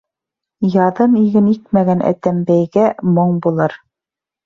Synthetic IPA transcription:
jɑðɤniɡɘnik̚mæɣænʔæ̰t̪æmbæjɡæmoɴbulˠɤɾ

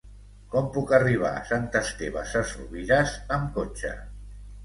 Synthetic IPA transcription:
kɔmpukariβ̞a̰sant̪əst̪eβa̰sasruβiɾasəmkot͡ʃa̰

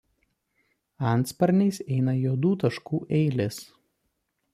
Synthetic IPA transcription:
ɐˑnt̪spɐɾʲnʲɛɪsɛɪnɐjuːd̪uːt̪ɐʃkuːʔɛɪlʲɪs

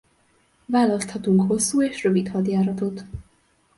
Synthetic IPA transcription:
vaːlɒst̪hɒt̪uŋkho̞sːuːeːʃrøvit̪hɒd̪jaːɾɒt̪o̞t̪

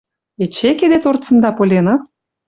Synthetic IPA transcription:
et͡ɕeked̪et̪ort͡sə̆nd̪ɑpolʲenɑ

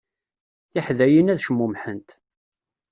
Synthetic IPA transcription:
θɪħðæjinæðʃəmːumħənt̪

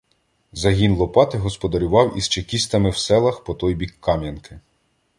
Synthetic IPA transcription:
zɐɦʲinlˠɔpɑt̪ɪɦɔspɔd̪ɐɾʲʊʋɑwist͡ʃekʲist̪ɐmɪwsɛlˠɐxpɔt̪ɔjbʲikːɑmʲjɐnkɪ

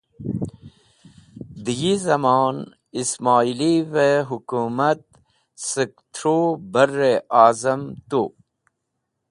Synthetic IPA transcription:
d̪ijizɐmɑːn | ismaːiliveɦukumɐt̪̚ | sək̚t̪ʰɾobɐrːeaːzɐmt̪u

